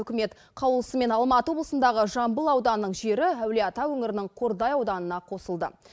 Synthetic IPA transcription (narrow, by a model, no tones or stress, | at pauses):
ʏkʲɪme̞t̪ | qʰɑwlˠəsəme̞nɑlˠmɑt̪əwo̞blˠəsənd̪ɑʁəʒɑmbəlˠɑwd̪ɑnːəɴʒe̞ɾɪæwleɑt̪ɑwɵŋɪɾɪnɪŋqʰo̞ɾd̪ɑjɑwd̪ɑnənɑqʰo̞səlˠd̪ə̰